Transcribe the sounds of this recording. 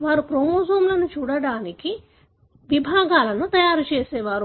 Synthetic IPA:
ʋaːɾupɾomoːd͡ʒɐːmlɐnut͡ʃuːɽɐɽaːniki | ʋibʱaːɡaːlɐnut̪ɐjaːɾut͡ʃeːseːʋaːɾu

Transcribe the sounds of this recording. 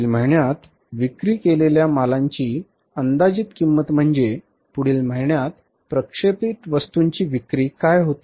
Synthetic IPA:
ilm̤əɭɳjat̪ | ʋikɾiːkeleljamalaɲt͡ɕiː | ənd̪ad͡ʑiːt̪kimːət̪m̤əɳd͡ze | puɽ̤iːlm̤əɭɳjat̪̚ | pɾəkʂepit̪ʋəst̪uɲt͡ɕiːʋikɾiːkajɦot̪i

